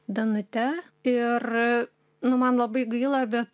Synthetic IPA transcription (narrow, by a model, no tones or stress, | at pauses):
d̪ɐnʊt̪ʲɛ | ɪr | nʊmɐnlˠɐbɐɪɡɐɪlˠɐbʲɛt̪